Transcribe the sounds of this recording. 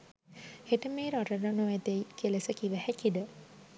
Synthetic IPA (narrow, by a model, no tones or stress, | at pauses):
eʈəmeːɾaʈəɾənoɛt̪eikelesəkiʋæhækid̪ə